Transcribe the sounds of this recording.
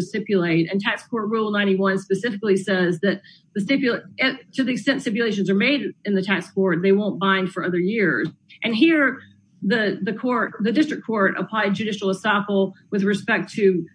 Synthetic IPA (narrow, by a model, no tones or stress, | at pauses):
ɨstɪpjɨleɪɾɨ̃ntʰækskʰɔɹt̚ɹulˠnãɪ̃ɾ̃iwʌ̃nspɨsɪfɨklisɛzðɨt̪̚ | ðɨsɪpjɨɪtʰɨðiɨkstɛ̃ntsɪpjleɪʃ̬ɨ̃n̩zə˞meɪɾɨ̃nðɨtʰækskʰɔɹt̪̚ðeɪwõʊ̃nb̥ãɪ̃nd̥fə˞ʌðə˞jɪɹz | ʔɨ̃nɦiɹ | ðɨðɨkʰɔɹtðɨdɪstɹ̥ɨkʰːɔɹɾə̰pʰl̥aɪd̚d͡ʒɨɾɪʃl̩ˠəsɑfl̩ˠwɨðɹɨspɛk̚tʰɨ